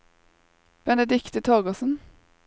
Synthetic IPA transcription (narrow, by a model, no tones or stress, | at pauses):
b̥ɛnəd̪ɪkt̪ət̪ʰoːɡɔsn̩